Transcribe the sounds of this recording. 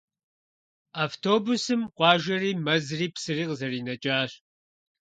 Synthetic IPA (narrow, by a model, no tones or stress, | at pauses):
aːftʰoːbusɨmqʷɑːʒɐriːmɐzriːpsɨriːqzɐriːnɐt͡ʃʼaːɕ